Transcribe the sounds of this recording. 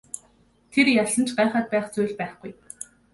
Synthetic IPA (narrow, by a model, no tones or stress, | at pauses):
t̪ʰerjaɮə̆nt͡ɕɢaːχaːt̪̚pæːχt͡suːɮpæːχɡ̥uj